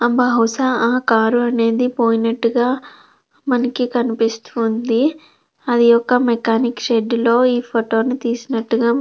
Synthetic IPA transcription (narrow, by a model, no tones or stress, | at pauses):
ɐmbɐɦɐwsaaːkaːɾuɐne̞ːd̪ipoːjinɐʈːuɡaː | mɐnɐkikɐnipist̪uːnd̪i | ɐd̪ijɔkːɐmekaːnikʃeɖloːiːpʰoʈo̞ːnut̪iːsinɐʈːuɡaː